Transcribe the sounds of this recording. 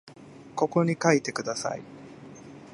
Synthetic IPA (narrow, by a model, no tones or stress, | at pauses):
ko̞ko̞ɲ̟ikait̪e̞kɯ̟d̪asa̰ḭ